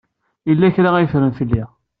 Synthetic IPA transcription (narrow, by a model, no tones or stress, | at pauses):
ilːæçɾaæjəfɾənθilːi